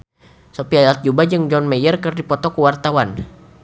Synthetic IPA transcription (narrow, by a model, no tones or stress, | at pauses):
sɔpiajat̪̚d͡ʒubad͡ʒɨŋd͡ʒɔnmɛjərkərdipɔt̪ɔkuwart̪awan